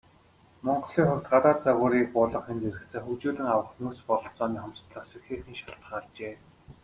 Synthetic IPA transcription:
mɔɴɢɞɮiːŋχʊkʲt̪ɢat̪aːt̪t͡saɣʊːɾiːk̚pʊːɮɞ̆χent̪eɾɘ̆ksɘ̆ŋxut͡ɕuːɮɘ̆ŋawə̆χnuːspɔɮɞ̆ɬt͡sɔːniːχɔmst̪ɮə̆χsexeːxĭːŋʃaɬt̪χaːɮt͡ɕeː

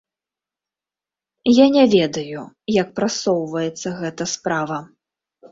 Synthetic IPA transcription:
janʲɛvʲɛd̪ɐju | jɐk̚pɾasɔwvɐjɛt̪sːɐɣɛt̪ɐspɾavɐ

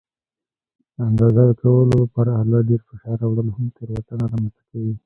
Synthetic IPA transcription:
d̪əand̪ɑzad̪əkawəlolapɑɾaalɑɖeɾfɪʃɑɾawɽəlohamt̪əɾwat̪anaɾɑmanst̪ḁkawi

